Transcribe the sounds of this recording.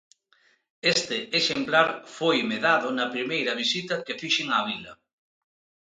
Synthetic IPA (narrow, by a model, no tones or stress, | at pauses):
est̪eeʃemplaɾfojmeðaðʊnɐpɾimejɾɐβ̞isit̪ɐkefiʃeŋaβ̞ilɐ